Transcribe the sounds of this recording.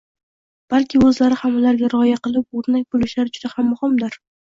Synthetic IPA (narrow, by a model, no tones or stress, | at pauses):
b̥alkʲɪɵzlaɾɪhamalaɾɡʲaɾɒjaqɨlˠɪp̚oɾnak̚ʲbolɪʃlaɾɪd͡ʒʊd̪ahamːʊhɨmd̪ɪɾ